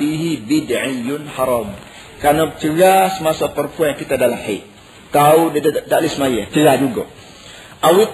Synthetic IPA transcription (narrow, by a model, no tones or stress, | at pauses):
iɦibidʕijʊnħɑɾˤɑːm | kanobət͡ʃəɾasəmasapəɾəmpuãjaŋkit̪adalamħaʔ̚ | t̪audaʔlismajat͡ʃəɾad͡ʒuɡo̰ | ʔawi